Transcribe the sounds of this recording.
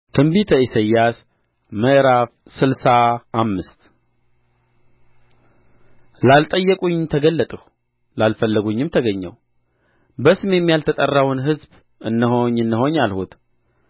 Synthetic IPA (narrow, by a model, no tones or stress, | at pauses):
t̪ʰɨmbit̪ʰəisəjːas | məʔɾaf | sɨlsaːmːɨst̪ | lalt̪ʼəjːəkʼuɲːmt̪ʰəɡəlːət̪ʼəh | lalfəlːəɡuɲːɪmt̪ʰəɡəɲːə̰w | bəsɨmejɛmːijalt̪ʰət̪ʼərːawnɦɨzb | ɨnːəhoɲːɨnːəho̞ɲːalhut̪